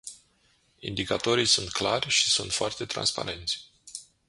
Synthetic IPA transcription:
ḭnd̪ikat̪o̞ɾijsunt̪klarʲʃi̥sunt̪foart̪e̞t̪ɾa̰nspa̰ɾe̞nt̪sʲ

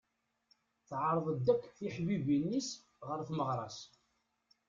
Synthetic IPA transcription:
θʕəɾˤðˤəd̪ːækʷːθiħbibinːis | ʁəɾθməʁɾˤɑ̰s

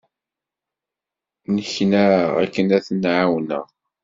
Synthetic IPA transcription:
nəçnaʁæ̰kːənæθnʕawnə̰ʁ

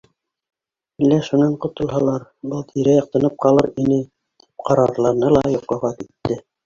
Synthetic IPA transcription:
ilːæʃunɑɴqŏt̪ŏlˠɦɑlˠɑɾbɤlˠt̪ʰiɾæjɑq̚t̪ɤ̆nɤp̚qɑlˠɤɾinɘ | t̪i̥p̚qɑɾɑɾ̆lˠɑɾnɤlˠɑjŏqlˠɑʁɑkit̪ːɘ

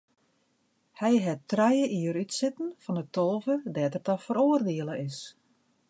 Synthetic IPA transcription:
hɛjɦɛtrɛjəʔiəɾytsɪtn̩fɔnətolˠvədɛːtərtɔfəɾoːərdɪəlˠəʔɪs

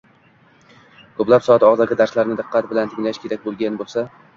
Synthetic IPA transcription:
kʰɵplapsɒat̪ɒʁzaɡʲad̪aɾslaɾnɪd̪ɨqʰːɑt̪bɪlant̪ʰɪŋlaʃkʲʰe̞ɾak̚ʲbolˠɡʲanbolˠsa

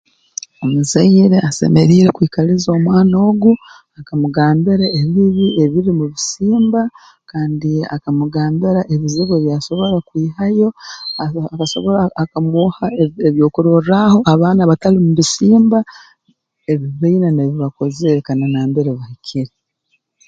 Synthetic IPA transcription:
o̞muzaiɾe̞ase̞̰meɾiːɾe̞kwiːkalizo̞ːmwaːno̞ːɡu | akamuɡaːmbeɾaeβiβie̞βiɾimuβisiːmba | kaːndia̰kamuɡaːmbeɾaʔeβiziɡoβjaːso̞βo̞ɾakwiːhajo̞akaso̞̰βoɾaakamuhaeeβjo̞ːkuɾoraho̞ʔaβaːnaβatalimuβisiːmba | eβiβainaneβiβako̞zekananaːmbeɾeβahicʰiɾi

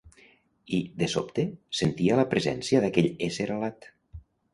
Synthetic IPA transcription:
id̪eso̰p̚t̪esent̪ialəpɾezɛ̰nsiəðakɛʎeseɾalat̪

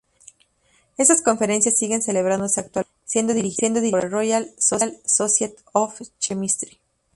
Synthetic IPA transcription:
e̞st̪asko̞ɱfe̞ɾe̞nsjasːiɣense̞le̞β̞ɾand̪o̞seak̚t̪wa | sje̞nd̪o̞ðiɾixje̞nd̪o̞ðiɾrojalsolsosjet̪oft͡ʃemist̪ɾi

